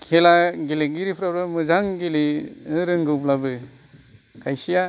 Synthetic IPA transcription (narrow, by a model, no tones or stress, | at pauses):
kʰelaɡeleɡiɾipʰɾabɾɯmɯzaŋɡiliɯɾɯŋɡɯplabɯ | kʰajsija